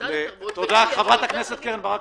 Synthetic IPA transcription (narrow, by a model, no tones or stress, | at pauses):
vet̪od̪aχavʁat̪aknɛset̪keʁenbaʁa